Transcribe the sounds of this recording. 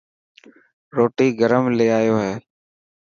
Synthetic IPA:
ɾoːʈiːɡəɾəmleːaːjoːɦɛː

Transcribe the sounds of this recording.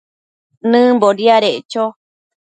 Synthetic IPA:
nɨ̃mboɾiaɾeʔt͡ʃo

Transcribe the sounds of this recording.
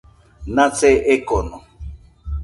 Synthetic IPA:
nat͡seʔekono

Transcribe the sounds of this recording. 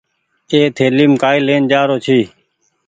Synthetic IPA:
eːt̪ʰeːliːmkaːileːnd͡ʒaːɾoːt͡ʃʰiː

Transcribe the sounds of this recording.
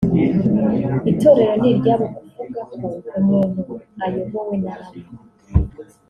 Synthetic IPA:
itoɾe̞ɾo̞niɾɟaːβoɡufuɡakounonoajovowenaɾi

